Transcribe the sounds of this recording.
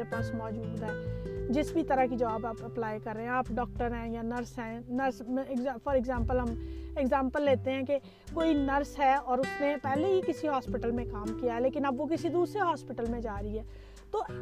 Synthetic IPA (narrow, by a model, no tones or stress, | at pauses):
epaːsmɔːd͡ʒuːd̪ɦɛːd͡ʒɪsbʱit̪əɾakid͡ʒɐʋaːbaːpəplaːikɐɾːeɦɛ̃aːpɖɔːk̚ʈəɾɦɛ̃janɐɾsɦɛ̃nɐɾsɡzfɔːɾɪɡzãːmpəlɦɐmeɡzãːmpəlːeːt̪eɦɛ̃ke | koːinɐɾsɦɛɔːɾʊsnepɛːleɦikɪsiɦɔːspɪʈəlmẽkaːmkijaɦɛleːkɪnɐbʋok̬ɪsid̪uːsɾeɦaːspɪʈəlmẽd͡ʒaːɾiɦɛː | t̪oː